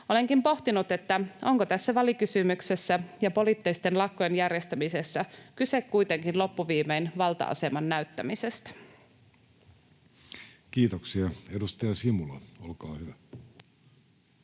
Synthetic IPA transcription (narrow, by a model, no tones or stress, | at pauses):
o̞le̞ŋkimpo̞ht̪inut̪e̞t̪ːæo̞ŋkot̪æsːæʋɑlikysymykse̞sːæjɑpo̞lit̪ːeist̪e̞nlɑkːojenjærjest̪æmise̞sːækyse̞kkuit̪e̞ŋkinlo̞pːuʋiːmejnʋɑlt̪ɑ̰ʔɑ̰se̞mɑnːæyt̪ːæmise̞st̪æ̥ | kiːt̪oksiɑedust̪ɑjɑsimulɑolkɑːhyʋæ